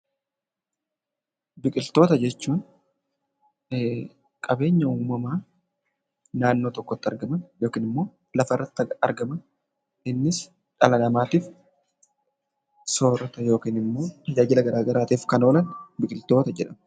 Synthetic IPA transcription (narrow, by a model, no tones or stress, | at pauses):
bɪkʼɪlt̪o̞ːt̪ɐd͡ʒɛt͡ʃːuːn | kʼɐbe̞ːɲːɐuːmɐmaː | naːnːoːt̪ɔkːɔt̪ːɐɾɡɐmɐnjoːkiːnɪmːo̞ː | lɐfɐrːɐt̪ːɐɾɡɐmɐn | ɪnːɪs | ᶑɐlɐnɐmaːt̪iːf | so̞ːɾɐt̪ɐjo̞ːkiːnɪmːo̞ːt̪ɐd͡ʒaːd͡ʒɪlɐɡɐɾaːɡɐɾaːt̪eːfkɐno̞ːlɐnbɪkʼɪlt̪o̞ːt̪ɐd͡ʒɛᶑɐmɐ